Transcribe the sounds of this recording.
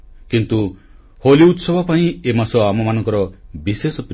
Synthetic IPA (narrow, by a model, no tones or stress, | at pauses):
kint̪u | holiut̪sɔbʱɔpaĩemasɔamɔmanɔ̃ŋkɔɾɔbisesɔp